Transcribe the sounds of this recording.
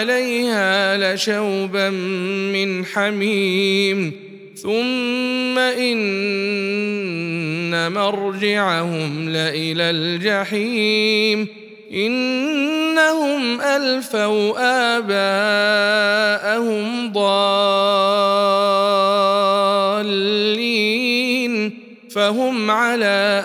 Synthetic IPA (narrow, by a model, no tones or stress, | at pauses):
alajhaːlaʃawbammɪnħamiːm | θʊmːaʔɪn | amaɾˤd͡ʒaʕahʊmlaʔɪlaːld͡ʒaħiːm | ʔɪnː | ahʊmʔalfawʔaːbaː | ʔahʊm | d̪ˤɑː | lːi | n | faɦʊmʕalaː